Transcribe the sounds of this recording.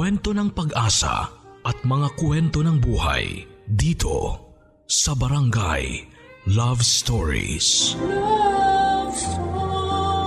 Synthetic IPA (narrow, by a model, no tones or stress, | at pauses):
wɛnt̪o̞nɐŋpɐɡʔaːsɐ̰ʔɐt̪̚mɐŋakwɛnt̪o̞nɐŋbuːha̰j | d̪iːt̪ʰo̞̰ | sɐbɐɾɐŋɡa̰j | lavst̪oɹḭs